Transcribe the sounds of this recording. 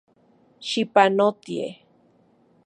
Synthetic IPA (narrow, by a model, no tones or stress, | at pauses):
ʃipanot̪iḛ